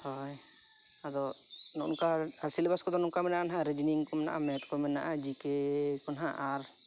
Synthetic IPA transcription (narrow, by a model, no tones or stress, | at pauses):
hɔj | ad̪ɔ | nɔ̰ʔnka | asilbaskɔd̪ɔnɔŋkamɛnanɦãɾed͡ʒniŋkɔmɛna̰ʔa̰mɛt̪kɔmɛna̰ʔad͡ʒikekɔnɦaʔaɾ